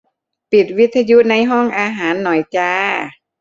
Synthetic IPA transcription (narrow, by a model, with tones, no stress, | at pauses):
pi˨˩t̪̚wi˦˥t̪ʰːa˧ju˦˥na˧jɦɔ˥˩ŋʔaː˧ɦaː˩˦nːɔ˨˩jt͡ɕaː˧